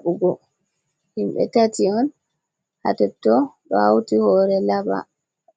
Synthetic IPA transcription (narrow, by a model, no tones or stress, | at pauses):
uɡɔ | himɓɛ̰tatiɔn | ha̰tɛtːɔɗɔawtihɔːɾɛlaba̰